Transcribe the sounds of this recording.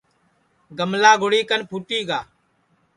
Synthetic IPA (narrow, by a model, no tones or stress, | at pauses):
ɡəmlaːɡʊɽiːkənpʰuːʈ̪iːɡaː